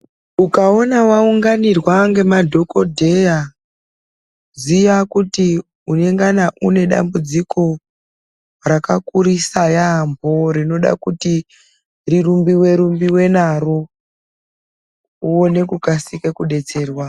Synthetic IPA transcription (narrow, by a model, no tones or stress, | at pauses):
ukao̞nawauŋɡanirwaŋɡe̞madʱo̞kodʱe̞ja | zijakuti | une̞ŋɡanaʔune̞ɗa̰mbud͡zikʰo̞ | rakakuɾisajambo̞ɾino̞ɗa̰kuti | rirumbiwe̞ɾumbiwe̞naro | uo̞ne̞kukasikekuɗe̞t͡se̞ːrwa